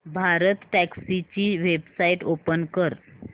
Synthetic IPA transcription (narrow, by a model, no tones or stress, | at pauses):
bʱaɾət̪ʈæksit͡ɕiːʋebsaiʈopənkəɾ